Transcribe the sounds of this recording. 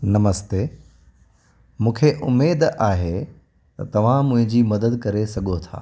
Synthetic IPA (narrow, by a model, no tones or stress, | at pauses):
nɐməst̪eː | mũːkʰeʔʊmeːd̪aːɦe | t̪ɐt̪ɐʋ̤ãmʊ̃ɦɪ̃ɲd͡ʑiːmɐd̪əd̪kɐɾesɐɠot̪ʰa̰ː